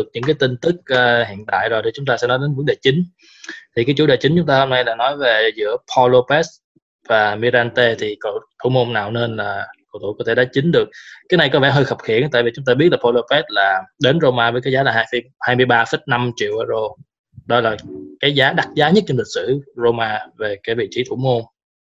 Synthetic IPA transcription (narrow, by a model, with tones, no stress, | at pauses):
ək̚ɲɨ̰˧˥ŋkaː˨˦jt̪i˧ŋt̪ɨ˦˥k̚əː˧hḭ˧˨ənt̪a̰ː˧˨jzo˨˩t̪ʰi˨˩t͡ɕʊ˨˦ŋ͡mt̪aː˧sɛ̰˧˥nɔ˨˦jɗe˨˦nvə˨˦˥ŋɗe˨˩t͡ɕï˨˦ŋ̟ | t̪ʰi˨˩kaː˨˦jt͡ɕu˧˦ɗe˨˩t͡ɕï˨˦ŋ̟t͡ɕʊ˨˦ŋ͡mt̪aː˧ho˧mna˧jlaː˨˩nɔ˨˦jve˨˩zɨ̰˧˥əpʰɔ˧lo˧pɛ˦˥s̚ | vaː˨˩mi˧ɾaː˧nt̪e˧t̪ʰi˨˩ko̰˧˨t̪ʰo˧˦mo˧mnaː˨˩wne˧nlaː˨˩ko̰˧˨wt̪ʰṵ˧˨kɔ˨˦t̪ʰe˧˩ɗa˨˦˥t͡ɕï˨˦ŋ̟ɗɨ˨˩ək̚ːaː˨˦na˨˩jkɔ˨˦vɛ˧˩ɦəː˧jxə˨˩p̚xi˧˨ənt̪a̰ː˧˨jvi˨˩t͡ɕʊ˨˦ŋ͡mt̪aː˧ɓi˦˥ət̚laː˨˩pʰɔ˧lo˧pɛ˦˥t̚laː˨˩ɗe˨˦nzo˧maː˧vəː˨˦jkaː˨˦jzaː˨˦laː˨˩ɦaː˧jf | haː˧jmɨ˧əjɓaː˧fə˦˥t̚na˧mt͡ɕḭ˧˨əwʔəː˧zo˧ | ɗɔ˨˦laː˨˩kaː˨˦jzaː˨˦ɗa˦˥t̚zaː˨˦ɲə˦˥t̚t͡ɕɔ˧mli˨˩k̚sɨ̰˧˩zo˧maː˧ve˨˩kaː˨˦jvḭ˧˨t͡ɕi˧˨˦t̪ʰṵ˧˩mo˧m